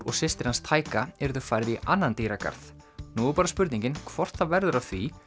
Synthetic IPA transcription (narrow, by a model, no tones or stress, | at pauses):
ɾɔɣsɪst̪ɪɾ̥hanst̪ʰaːjkaɛɾðʏfaːjɾðiʔanːant̪iːɾaka̰ɾθnupaːɾaspʏɾt̪nĩɲcɪnkʰvɔr̥t̪θavɛɾðʏɾawθvi